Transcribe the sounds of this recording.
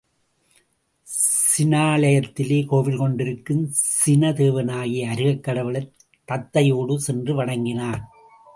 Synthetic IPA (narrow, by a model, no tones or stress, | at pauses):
sɪnaːɭɐjɐt̪ːɪleːkoːʋɪlkɔɳɖɪɾɯkːɯmsɪnɐt̪eːʋɐnaːɣiɐɾɯɣɐkːɐɽɐʋɪɭɐɪ | t̪ːɐt̪ːɐjoːɽɯsɛndrɯʋɐɽɐŋɡɪnaːn